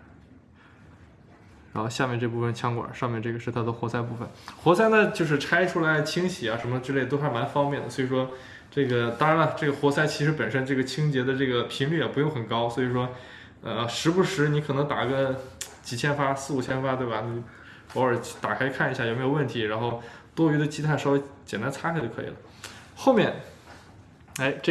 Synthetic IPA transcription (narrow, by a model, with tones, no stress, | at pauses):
ɻa˧˥nxo˥˧ɕja˥˧mjɛ˥˧nʈ͡ʂɤ˥˧˩p̬u˥˩ə˩nt͡ɕʰjɑ˥ŋkwa̰˨˩˦ʂɑ˥˧mjɛ˥˧nʈ͡ʂɤ˥˩ɡə˩ʂɻ̩˥˩t̪ʰa˥d̪ə˧˥xwɔ˧˥sa˥˧ɪpu˥˩fə̰˩nxwɔ˧˥sa˥ɪnə˨t͡ɕjo˥˧ʊʂ̬ɻ̩˥˧ʈ͡ʂʰa˥ɪʈ͡ʂʰu˥la˧˥ɪt͡ɕʰi˥ŋɕʰi˨˩a˦ʂə˧˥nmə˧ʈ͡ʂɻ̩˥˧le˥˧ɪt̪̬fa˥˩ma˧˥nfɑ˥ŋmjɛ˥˩nd̪ə˩swɔ˧˥i˨˩ʂwɔ˥ | ʈ͡ʂɤ˥˩ɡə˩t̪ɑ˥ŋɻa˧˥nə˧ʈ͡ʂɤ˥˩ɡə˩xwɔ˧˥sa˥˩ɪt͡ɕʰi˧˥ʂɻ̩˧˥pə˨˩nʂə˥nʈ͡ʂɤ˥˩ɡə˩t͡ɕʰi˥ŋt͡ɕjɛ˧˥d̪ə˧ʈ͡ʂɤ˥˩ɡə˩pʰi˧˥ŋly˥˩jɛ˨˩pu˧˥jo˥˩ŋxə˨˩nkɑ˥ʊswɔ˧˥i˨˩ʂwɔ˥ | ə˧ʂɻ̩˧˥pu˧˥ʂɻ̩˧˥ni˧˥kʰɤ˨˩nɤ˧˥ŋt̪a˨˩˥ɡə˧ | t͡ɕi˧˥˩t͡ɕʰjɛ˥nfa˥sɹ̩˥˩u˨˩t͡ɕʰjɛ˥nfa˥t̪we˥˩ɐ˩ni˧˥ | pɑ˧˥ʊə˞˨˩˥t̪a˨˩kʰa˥ɪkʰa˥˩n˧˥ɕja˥˩jo˨˩me˥jʊwə˥˩nt̪ʰi˧˥ɻa˧˥nxo˥˩ʊt̪wɔ˥y˧˥d̪ə˧t͡ɕʰi˥t̪ʰa˥˩nʂ̩˥˧˥t͡ɕjɛ˨˩nt̪̬a˥nt͡sʰa˥t͡ɕo˥˧˩ɤ˧˥ḭ˨˩lə̰˦ | xo˥ʊmjɛ˥˩n | a˧˥ɪʈ͡ʂ